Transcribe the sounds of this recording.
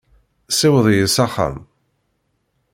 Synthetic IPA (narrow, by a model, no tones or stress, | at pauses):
sɪwðˤjəsaχə̰m